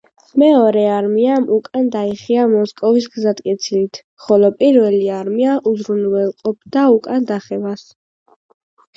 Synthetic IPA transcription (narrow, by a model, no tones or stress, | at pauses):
mɛɔɾɛaɾmiamukʼand̪aiχiamɔskʼɔvisɡzat̪ʼkʼɛt̪sʰilit̪ʰ | χɔlɔpʼiɾvɛliaɾmiaʔuzɾunvɛlˠqʼɔp̚ʰd̪aukʼand̪aχɛvas